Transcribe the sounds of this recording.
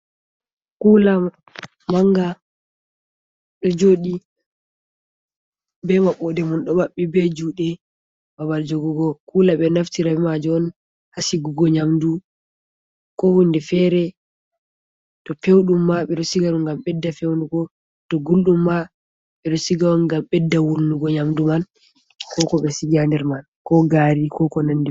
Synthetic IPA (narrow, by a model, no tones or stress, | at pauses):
kuːla | maŋɡa | ɓɛd͡ʒoɗi | bɛmaɓɔdɛmunɗɔbaɓːibɛd͡ʒuɗɛ | babald͡ʒoɡuɡɔkulaɓɛnaftiɾawimad͡ʒɔɔn | hasiɡuɡɔɲamdu | kɔhundɛfɛɾɛ | tɔpewɗumːaɓɛɗɔsiɡaɗuŋɡamɓɛdːafewnduɡɔ | tɔɡulɗumːa | ɓɛɗɔsiɡawɔnɡamɓɛdːawulnuɡɔɲamduman | kɔkɔɓɛsiɡandɛɾman | kɔɡaɾikɔkɔnandi